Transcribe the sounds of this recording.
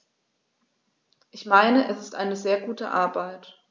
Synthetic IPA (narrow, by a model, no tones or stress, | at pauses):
ʔɪçmaɪnəʔɛsɪstʔa̰ɪnəzeːɐɡuːtə̰ʔa̰ɐbaɪt